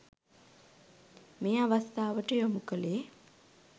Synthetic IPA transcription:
meːaʋast̪aːʋəʈəjomukəleː

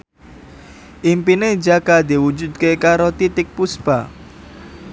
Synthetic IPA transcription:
ʔimpined͡ʒakad̪iwud͡ʒud̪̚kekaɾot̪it̪ɪk̚pusb̥a

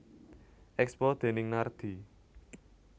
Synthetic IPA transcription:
ʔɛkspɔd̪̥e̤nɪŋnard̪̥i̤

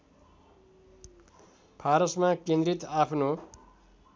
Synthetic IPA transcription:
pʰaɾʌsmakend̪rit̪apʰno

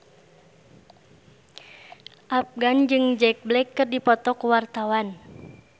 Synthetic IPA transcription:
ʔap̚ɡand͡ʒɨŋd͡ʒɛk̚blɛkːɨrdipɔt̪ɔkuwart̪awan

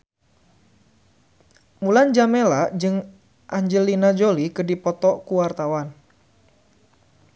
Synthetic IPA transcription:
muland͡ʒamelaʔd͡ʒɨŋ | ʔaɲd͡ʒəlinad͡ʒolikədipɔt̪ɔkuwart̪awan

